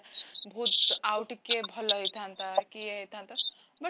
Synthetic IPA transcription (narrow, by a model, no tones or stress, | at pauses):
bʱut̪awʈkebʱʌləjt̪ʰãnt̪akiejt̪ʰãnt̪a | bə